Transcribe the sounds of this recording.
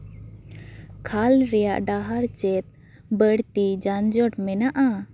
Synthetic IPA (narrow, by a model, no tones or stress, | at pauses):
kʰalɾɛja̰ʔɖaɦaɾt͡ʃɛt̪̚ | bəɽt̪id͡ʒand͡ʒɔʈmɛnaʔa